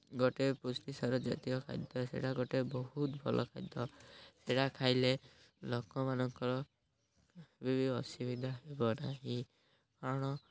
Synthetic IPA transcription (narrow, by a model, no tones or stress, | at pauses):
ɡɔʈepusʈisaɾɔd͡ʒa̰t̪ikɔkʰa̰d̪ɔsḛɽaɡɔʈebɔɦut̪bʱɔ̰lʔɔ̰kʰa̰d̪jɔseʈakʰajle | lokɔmanɔŋkɔɾɔ | bibʱiɔsibid̪ʱaɦebɔnaɦĩ | kaɾɔɽ̃ɔ